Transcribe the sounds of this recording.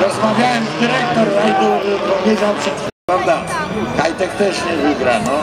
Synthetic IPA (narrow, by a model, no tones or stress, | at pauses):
ɾɔzmavʲjawɛmzd̪ɨɾɛkt̪ɔɾid̪ɔvʲizɔnsɛ | avd̪akajt̪ɛkt̪ɛʃɲɛviɡɾanɔ